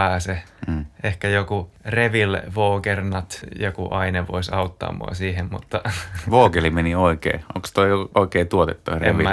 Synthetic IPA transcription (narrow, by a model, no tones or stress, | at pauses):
æːseʔehkæjokureʋilʋoːkernɑt̪jokṵʔɑineʋo̰isɑut̪ːɑ̰ːmṵɑ̰siːhemmṵt̪ːɑʋoːkelimenioikḛːo̰ŋkst̪oioikeːt̪uot̪et̪ːurḛmʋi